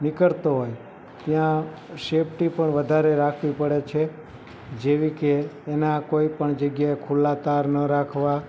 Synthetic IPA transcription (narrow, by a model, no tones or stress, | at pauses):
nɪkəɭt̪oɦoj | t̪jã | ʃepʈipəɳʋəd̪ʱaɾeɾakʰʋipəɽet͡ʃʰe | d͡ʒeʋikeːnakoipəɳd͡ʒəɡjaekʰulat̪aɾnəɾakʰʋa